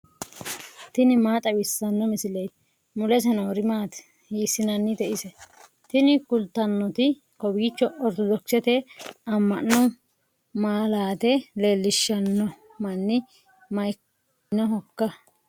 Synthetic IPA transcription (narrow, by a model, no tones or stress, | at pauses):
t̪ɪnɪmaːt̪ʼɐwɪsːɐnːɔmɪsɪlɛj | mʊlɛs̬ɛnɐwɔɾɪmaːt̪ | jiːsɪnɐnːɪd̪ɛʔɪsɛ | t̪ɪnɪkʊlt̪ːɐnːɔt̪ɪ | kɔbɡɪt͡ʃːɔɔɾt̪ɔd̪ɔksɛt̪ɛɐmːɐnːɔ | maːlaːt̪ɛle̞ːlːɪʃːɐnːɔ | mɐnːɪ | mɐj | nɔɦɔkːɐ